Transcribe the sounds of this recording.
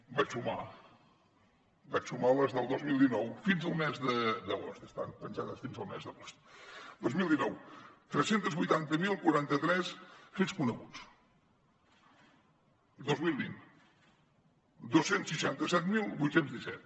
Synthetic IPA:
bat͡ʃsuma̰ | bat͡ʃsumaləzðəlˠd̪ozmilˠd̪inɔwfinzəlˠmɛzðəd̪əɣo̰st̪əst̪anpənʲʒaðəsfinzəlˠmɛ̰zðəɣost̪d̪ozmilˠd̪inɔwt̪ɾɛsent̪əzβujt̪ant̪əmilˠkuɾant̪ət̪ɾɛsfeskunəɣut͡s | d̪ozmilˠβḭn | d̪osensiʃant̪əsɛt̪milˠbujt̪senzðisɛt̪̚

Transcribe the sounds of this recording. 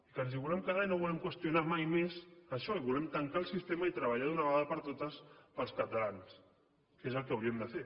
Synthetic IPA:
ikanziβulɛmkəðaɲnoβulɛmkwəst̪junamajmezəʃɔiβulɛmt̪əŋkaəlˠsist̪eməit̪ɾəβaʎaðunəβaðəpəɾt̪ot̪əspəlˠskət̪alans | kezəlˠkəwɾiəmd̪əfe

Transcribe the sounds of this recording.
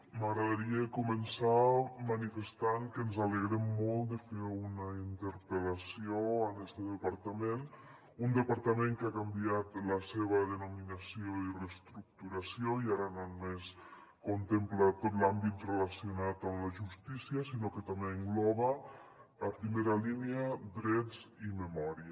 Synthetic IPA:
məɣɾəðəɾiəkumənsamənifəst̪aŋkənzaləɣ̞ɾemːolˠt̪d̪əfeunəint̪əɾpəlasioənɛst̪əðəpaɾt̪əmen | und̪əpaɾt̪əmẽŋkakambiat̪ləseβ̞əðənuminəsioirest̪ɾuk̚t̪uɾasioiaɾənonumes | kont̪emplat̪ot̪lambit̪reləsiunat̪əmləʒust̪isiəsinokət̪ameːŋɡlɔβəː | pɾimeɾəliniəd̪ɾɛd͡ziməmɔɾiə

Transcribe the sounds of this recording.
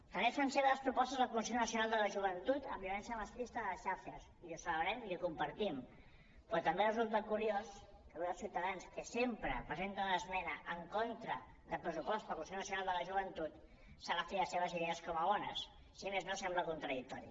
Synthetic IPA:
t̪ənɛsənseβəðəspɾupɔst̪əzðəkumis̬ionəsiunalˠd̪ələʒuβ̞ənt̪ut̪əmbiuβɛnsiəməst̪ɾist̪əðələsʃaɾʃəs | ilusələβɾɛmilikumpəɾt̪im | pɾɔt̪əmberəzulˠt̪akuɾijos | kəɣɛðəlˠsiwt̪əðanskəsempɾəpɾəzent̪ələzmɛnəʔəŋkont̪ɾə | ðəpɾəsupɔst̪əlkuisijonəsiunalˠd̪ələʒuβ̞ənt̪ut̪ | saləfeəseβəziðeəskɔməβɔnəs | siəmeznosɛmbləkunt̪ɾəðik̚t̪ɔɾḭ

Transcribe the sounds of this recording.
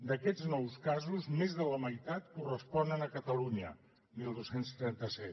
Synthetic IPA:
d̪əkɛd͡znɔwskazuzmezðələməjt̪at̪kurəspɔnənəkət̪əluɲə̰ | milˠd̪osenst̪ɾɛnt̪əsɛt̪

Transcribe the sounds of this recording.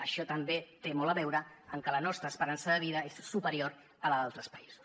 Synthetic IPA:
əʃɔt̪əmbet̪emɔləβɛwɾəəŋkələnɔst̪ɾəspəɾansəðəβ̞iðəessupəɾioɾ | ələðalˠt̪ɾəspəizu̥s

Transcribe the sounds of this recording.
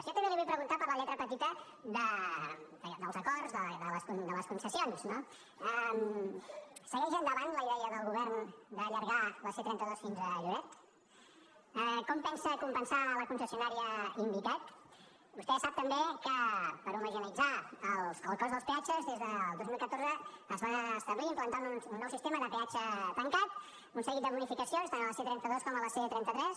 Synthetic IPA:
siot̪əmeliβujəpɾəɣunt̪apəɾləʎɛt̪ɾəpət̪it̪ə | d̪ə | d̪əd̪əlˠzəkɔrzðəðələskund̪ələskunsəsionsno | ɛm | səɣɛʒənd̪əβanləiðɛəðəlˠɣuβɛɾnd̪əːʎəɾɣaβəset̪ɾɛnt̪əðɔsfinzəʒuɾɛt̪ | ɛkɔmpɛnsəkumpənsaləkunsəsiunaɾiəimbik̪at̪ | bust̪ɛsap̚t̪əmbekəpəɾuməʒinid͡zaəlˠsəlˠkɔzðəlˠspeat͡ʃəzðezðəlˠozmilˠkət̪oɾzəːzβaːst̪əβliːmplənt̪anuunnːɔwsist̪eməðəpeat͡ʃət̪əŋkat̪̚ | unsəɣit̪̚d̪əβunifikəsionst̪anəlˠəset̪ɾɛnt̪əðoskɔmələset̪ɾɛnt̪ət̪ɾɛs

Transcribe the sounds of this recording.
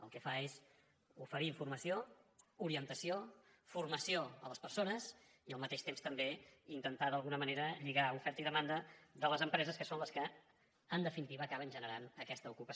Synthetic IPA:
ə̰lˠkɛfaez | ufəɾiːɱfurməsiouɾiənt̪əsio | furməsioələspərsonəz | iəlˠmət̪eʃt̪emst̪əmbeint̪ənt̪aðəlˠɣunəməneɾəʎiɣaufɛɾt̪əiðəmand̪əd̪ələzəmpɾɛzəskəsonləskə | ənd̪əfinit̪iβəːkaβənʒənəɾanəkɛst̪əukupə

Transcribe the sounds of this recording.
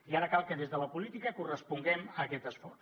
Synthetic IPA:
iaɾəkalˠkəðezðələpulit̪ikəkurəspuŋɡɛməkɛt̪əsfɔr

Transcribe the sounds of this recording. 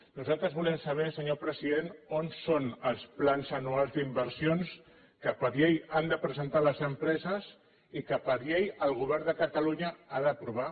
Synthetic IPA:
nuzalˠt̪ɾəzβulɛmsəβ̞ɛsəɲopɾəziðenonsonəlˠsplanzənualˠzd̪imbəɾsions | kəpəɾʎejand̪əpɾəzənt̪aləzəmpɾɛzəz | ikəpəɾʎejəlˠɣ̞uβ̞ɛɾnd̪əkət̪aluɲəaðəpɾuβ̞a

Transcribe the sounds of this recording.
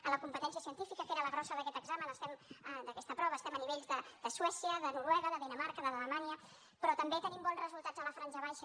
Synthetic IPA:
ələkumpət̪ɛns̬iəsiənt̪ifikəkeɾələɣɾɔsəðəkɛt̪əɡzamənəst̪ɛməd̪əkɛst̪əpɾɔβəːst̪ɛməniβ̞eʎzðəd̪əswɛsiəðənuɾwɛɣəðəðinəmaɾkəðəðələmaniə | pɾɔt̪əmbet̪ənimbɔnzrəzulˠt̪ad͡zələfɾanʒəβ̞ajʃə

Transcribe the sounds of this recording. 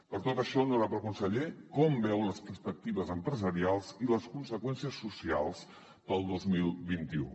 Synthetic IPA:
pəɾt̪ot̪əʃɔnoɾapəlˠkunsəʎekɔmbɛwləspəɾspək̚t̪iβəzəmpɾəzəɾialˠziləskunsəkwɛnsiəsːusialˠs | pəlˠd̪ozmilˠβint̪iṵ

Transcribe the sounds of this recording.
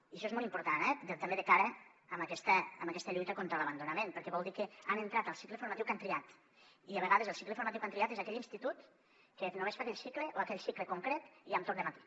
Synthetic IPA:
iəʃɔezmolˠimpuɾt̪anɛd̪et̪ɐmbeðekaɾəːmakɛst̪əːmɐkɛst̪əʎujt̪əkont̪ɾələβɐnd̪unamenpəɾkɛβɔlˠd̪ikeanent̪ɾat̪əlˠsi̥klefuɾmat̪iwkant̪ɾiat̪ | iaβ̞eɣaðəzəlˠsikleəfuɾmat̪iwkant̪ɾiat̪ezakɛʎinst̪it̪ut̪ | kenoβespakɛʎsikleʔoakɛʎsikləkuŋkɾet̪iamt̪ɔk̚d̪əmat̪i̥

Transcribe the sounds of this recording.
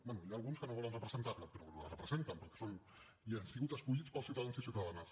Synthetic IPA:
bɛnujaːlˠɣunskənoβɔlənrəpɾəzənt̪arləpəɾɔlə̰rəpɾəzent̪əmpəɾkɛ̥son | iansiɣut̪əskuʎit͡spəlˠsiuwt̪aðansisiuwt̪aðanəs

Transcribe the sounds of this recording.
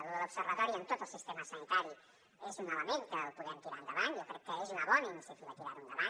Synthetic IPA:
oɾoβsəɾβat̪ɔɾiənt̪ot̪olˠsist̪emasanit̪aɾi | ezunnaβamẽnk̪əlpuðɛnt̪iɾand̪əβaŋjowkɾɛkːəezunaβɔnainõnset̪ilat̪iɾaɾund̪əβaŋ

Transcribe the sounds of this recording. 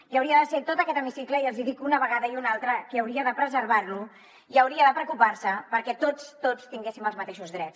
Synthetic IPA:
iəwɾiəðəset̪ot̪əkɛt̪əmisikləiəlˠziðikunəβəɣaðəiunalˠt̪ɾəkeːwɾiəðəpɾəzəɾβarlu | iəwɾiəðəpɾəkupaɾsəpəɾkɛt̪ot͡st̪ot͡st̪iŋɡesiməlˠzmət̪eʃuzðɾɛt͡s

